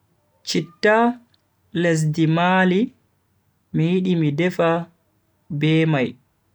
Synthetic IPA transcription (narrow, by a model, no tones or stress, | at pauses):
t͡ʃitːa | les̬dimaːli | mijiɗimidɛfa | bɛːmaj